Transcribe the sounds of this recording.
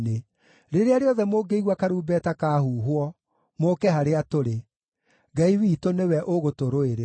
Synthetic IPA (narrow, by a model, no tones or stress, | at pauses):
ne | ɾeɾeaɾeɔðɛmoːɡeiɣwakaɾuːbɛtakahuːɦwɔ | moːkɛɦaɾeatoɾe | ɡaiwiːtonewɛʔoɣotoɾoeɾe